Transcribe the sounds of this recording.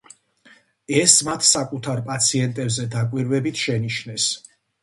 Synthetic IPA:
ɛsmat̪ʰsakʼut̪ʰaɾpʼat̪sʰiɛnt̪ʼɛbzɛd̪akʼwiɾvɛbit̪ʰʃɛniʃnɛs

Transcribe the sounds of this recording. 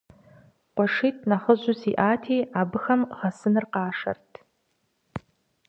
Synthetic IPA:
qʷʼaʂit̚ʰʼnaχəʒʷʊziʔaːtʰiabɨxamʁasɨnɨrqaːʂa̰rtʼʰ

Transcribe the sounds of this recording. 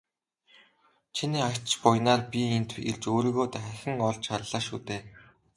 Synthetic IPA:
t͡ɕʰiniːakʲt͡ɕt͡ɕpʊjnaːrpʲient̪ʰḛɮt͡ɕoːɾiːɣoːt̪æχæxʲɪ̆ŋɔɮt͡ɕʃarɮ̥aːʃuːt̪eː

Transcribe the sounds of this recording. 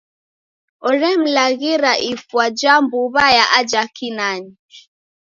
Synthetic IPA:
ɔɾɛm̩laɣiɾaʔifwad͡ʒambuβajaʔad͡ʒakinani

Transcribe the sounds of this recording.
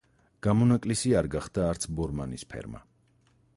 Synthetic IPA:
ɡ̥amɔnakʼlisiaɾɡaχd̪aːɾt̪sʰbɔɾmanispʰɛ̰ɾma̰

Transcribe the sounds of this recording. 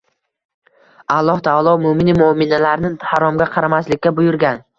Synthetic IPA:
alˠːɒht̪ʰɒɑlˠɒmʊmɪnɪmʊmɪnalaɾnɪhaɾɒmɡʲaqʰɑɾamaslɪkʲːabʊjʊɾɡʲan

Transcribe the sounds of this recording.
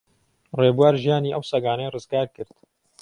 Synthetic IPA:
reːbuwaːɾʒijaːniːʔɐwsɐɡaːnɐjrɨzɡaːɾkɨɾt̪

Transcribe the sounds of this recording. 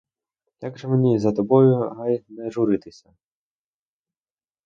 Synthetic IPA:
jaɡʒɛmenʲizɐt̪ɔbɔjʊɦajnɛʒʊɾɪt̪ɪsʲɐ

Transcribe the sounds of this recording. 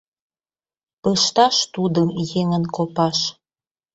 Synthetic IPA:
pəʃt̪ɑʃt̪ud̪əmjeŋənkopɑʃ

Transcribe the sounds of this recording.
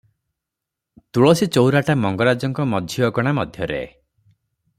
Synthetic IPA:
t̪uɭɔsit͡ʃowɾaʈamɔŋɡɔɾad͡ʒɔŋkɔmɔd̪ʱjiɔɡɔɽ̃amɔd̪ʱjɔɾḛ

